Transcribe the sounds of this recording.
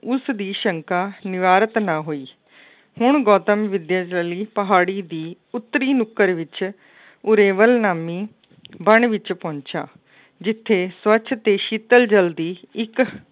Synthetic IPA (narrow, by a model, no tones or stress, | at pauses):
ʊsd̪iːʃəŋkaːnɪʋaːɾət̪nãːɦoːiː | hʊɳɡɔːt̪əmʋɪd̪jaːd͡ʒəliːpəɦaːɽiːd̪iː | ʊt̪ːəɾiːnʊkːəɾʋɪt͡ʃ | ʊɾeːʋəlnaːmiː | bəɳʋɪt͡ʃpɔ̃ːɲt͡ʃa̰ː | d͡ʒɪt̪ʰːeːswət͡ʃʰt̪eːʃiːt̪əld͡ʒəld̪iːɪk